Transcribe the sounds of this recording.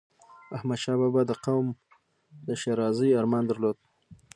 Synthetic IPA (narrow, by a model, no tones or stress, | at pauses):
ahmad̪ʃɑbɑbɑd̪əqawm | d̪əʃeɾɑzəjɑɾmɑnd̪aɾlod̪̚